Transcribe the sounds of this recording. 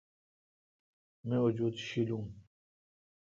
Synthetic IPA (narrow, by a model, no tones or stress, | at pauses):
mẽːʊd͡ʑuːd̪ɕilũː